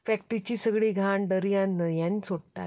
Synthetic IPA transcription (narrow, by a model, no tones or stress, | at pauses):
fɛk̚ʈit͡ɕiːsəɡɭiːɡʱaɳɖəɾjãnːəjanisoɽt̪a̰t̪